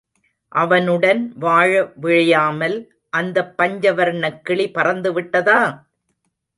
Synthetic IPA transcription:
ʔɐʋɐnɯɽɐnʋaːɻɐʋɪɻɐjaːmɐl | ʔɐnd̪ɐpːɐɲd͡ʒɐʋɐɾɳɐkːɪɭipɐrɐnd̪ɯʋɪʈːɐðaː

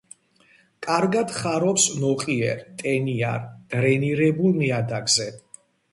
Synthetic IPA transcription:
kʼaɾɡad̪χaɾɔpsnɔχʼiɛ̰ɾt̪ʼɛnia̰ɾd̪̥ɾɛniɾɛbulmiad̪aɡzɛ

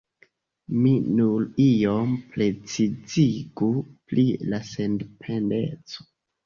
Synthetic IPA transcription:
minuɾiomple̞t͡siziɡuplilasendpʰe̞ndet͡so̥

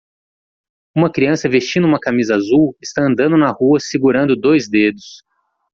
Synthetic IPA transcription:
ũmɐkɾiɐ̃sɐvest͡ʃĩnʊũmɐkamizɐazuwɪst̪aɐ̃nd̪ɐ̃nd̪ʊnɐhuɐsiɡuɾɐ̃nd̪ʊd̪ojzd̪ed̪ʊs

